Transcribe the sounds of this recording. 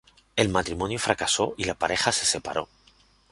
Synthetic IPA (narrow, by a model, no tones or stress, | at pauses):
e̞lmat̪ɾimõnjufɾakaso̞ʔilapaɾe̞xase̞̥se̞pa̰ɾʔo̞̰